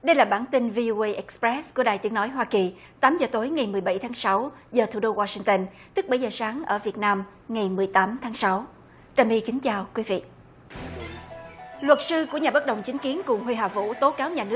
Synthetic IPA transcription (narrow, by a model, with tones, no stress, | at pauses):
ɗə˧jlaː˨˩ɓaː˧˩nt̪ï˧nvi˧ʔo˧ʔə˧jʔɛ˦˥k̚spɹɛ˦˥sku˧˩əɗaː˨˩jt̪i˨˦əŋnɔ˨˦jɦwaː˧ki˨˩ | t̪aː˨˦mzəː˨˩t̪o˨˦jŋa˨˩jmɨ˨˩əjɓa˧˩jt̪ʰaː˨˦ŋsa˨˦wzəː˨˩t̪ʰu˧˩ɗo˧waː˧sï˧ŋt̪ə˧nt̪ɨ˦˥k̚ɓə˧˩jzəː˨˩saː˨˦ŋʔəː˧˩vi˨˩ət̚naː˧m | ŋa˨˩jmɨ˨˩əjt̪aː˨˦mt̪ʰaː˨˦ŋsa˨˦w | t͡ɕəː˨˩mɓi˧kï˨˦ŋ̟t͡ɕaː˨˧˩wkwi˨˦vḭ˧˨ | lwə˨˩t̚sɨ˧ku˧˩əɲaː˨˩ɓə˦˥t̚ɗə˨˩wŋ͡mt͡ɕï˨˦ŋ̟ki˨˦ənkʊ˨˩ŋ͡mɦwi˧ɦaː˨˩vṵ˧˥t̪o˨˦kaː˨˦wɲaː˨˩nɨ˦˥ə